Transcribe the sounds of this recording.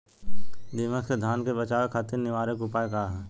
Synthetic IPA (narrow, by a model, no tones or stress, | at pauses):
d̪ɪməksed̪ʱaːnkebət͡ʃaːʋekʰaːt̪ɪɾnɪʋaːɾəkʊpaːekaːɦɛː